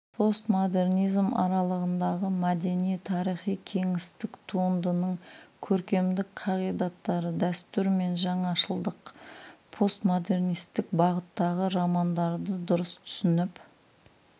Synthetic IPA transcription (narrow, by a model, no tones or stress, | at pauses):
pʰo̞st̪mod̪e̞rnijzmɑ̰ɾɑlˠəʁənd̪ɑʁəmad̪e̞nijt̪ʰɑɾijχijkʲʰe̞ŋɪst̪ɪkt̪ʰuənd̪ənəɴkʲʰɵɾkʲe̞md̪ɪkqʰɑʁijd̪ɑt̪ːɑɾəd̪æst̪ʏɾme̞nʒɑɴɑʃəlˠd̪əqpʰo̞st̪mod̪e̞rnijst̪ɪk̚bɑʁət̪ːɑʁəɾɑmɑnd̪ɑɾd̪əd̪ʊɾəst̪ʰʏ̥sɪnɪp